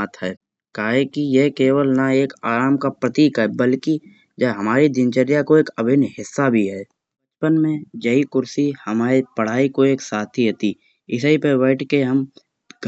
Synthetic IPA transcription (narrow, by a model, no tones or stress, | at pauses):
at̪ʰɦɛː | kaːɦekijekeːwəlnaeːkaːɾaːmkapɾət̪iːkɦɛbəlki | d͡ʒɦɐmaːɾid̪ɪnt͡ʃəɾjakoeːkəbʱɪnɦɪsːabʱiɦɛː | pət͡ʃpənmẽd͡ʒɐikʊɾsihɐmaːɾipəɽ̤aːikoeːksaːt̪ʰiɦət̪i | ɪsipewəːʈkeɦɐm | ɡʱ